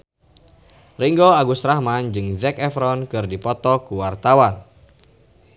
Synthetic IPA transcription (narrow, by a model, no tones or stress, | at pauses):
riŋɡɔaɡust̪ɾahmand͡ʒɨŋzɛkɛfɾɔnkɨrdipɔt̪ɔkuwart̪awan